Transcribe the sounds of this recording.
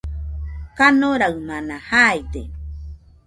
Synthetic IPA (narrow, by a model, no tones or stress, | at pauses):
kanoɾaɯmanahajt̪ḛ